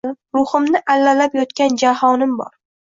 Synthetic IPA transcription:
ɪɾʊhɨmnɪʔalːalapjɒt̪kʲand͡ʒaɦɒnɪmbɒ̰ɾ

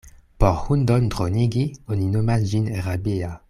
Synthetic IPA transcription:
pɔʁhund̪ɔnd̪ʁoniɡiɔninomad͡ʒineʁabea

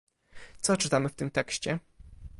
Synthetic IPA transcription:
t̪sɔt͡ʂɘt̪amɘft̪ɘmt̪ɛkɕt͡ɕɛ

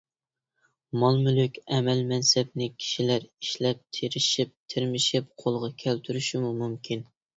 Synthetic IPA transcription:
mɑlˠmylykʲɛmɛlmɛnsɛb̚nɪkʲʰi̥ʃilæɾiʃlɛp̚t̪ʰeɾɪʃip̚t̪ʰɪɾmɪʃɪp̚qʰolˠʁɑkʲʰælt̪ʰyɾyʃimumumkʲʰin

